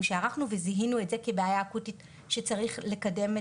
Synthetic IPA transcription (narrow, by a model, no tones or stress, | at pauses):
mʃeaʁaχnuveziɦinue̞tzekebeajaːkutit | ʃet͡saʁiχle̞kade̞me